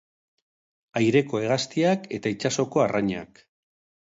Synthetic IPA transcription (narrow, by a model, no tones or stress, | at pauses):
ajɾe̞ko̞e̞ɣast̪iake̞t̪ait͡ʃaso̞ko̞araɲa̰k